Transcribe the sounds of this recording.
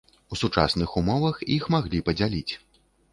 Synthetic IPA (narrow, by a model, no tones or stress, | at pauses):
usut͡ʂa̰snɨxumɔvɐxixmaɣlʲipɐd͡zʲalʲit͡sʲ